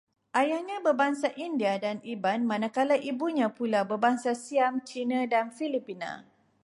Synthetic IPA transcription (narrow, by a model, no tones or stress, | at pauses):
ʔajahɲãbəbaŋsaʔindiadanibanmãnãkalaʔibuɲãpulabəbaŋsasiamt͡ʃinãdanfilipinã̰